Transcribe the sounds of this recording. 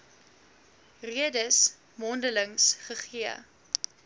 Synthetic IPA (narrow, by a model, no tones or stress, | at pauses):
riədəs | mɔndələŋsχəχiə